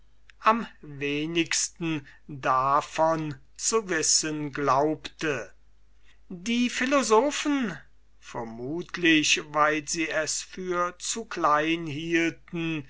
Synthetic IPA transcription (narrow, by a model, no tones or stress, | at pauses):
ʔamveːnɪkstn̩ | dafɔn | t͡suvɪsənɡlaʊptə | diːfɪlozoːfən | fɛɐmuːtʰlɪçvaɪlziːɛsfyːɐt͡sukʰlaɪnhiːltn̩